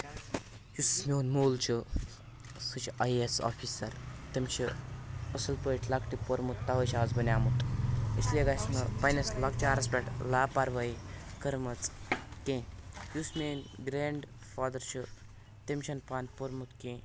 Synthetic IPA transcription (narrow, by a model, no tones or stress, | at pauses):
jusmʲenmoːlt͡ʃʰɨ | sɨt͡ʃʰɐjesɔ̰fʰisɐɾt̪emt͡ʃʰiəsɐlpəiʈʰlakʈipoɾmut̪ːaʋəjt͡ʃʰad͡zbɐnʲaːmut̪isleɡajsnɐpajnɐslak̚t͡ʃaɾɐspʲaʈlapaɾʋajkəɾmɐt͡skẽjusmenɡɾeɳɖ | faːd̪ɐɾt͡ʃʰu | t̪emʃʰɐnpanpoɾmut̪kẽ